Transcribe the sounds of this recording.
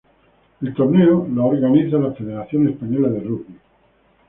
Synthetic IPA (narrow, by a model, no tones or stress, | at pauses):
elt̪oɾneolaoɾɣaniθalafeðeɾaθjonespaɲolaðeruɣi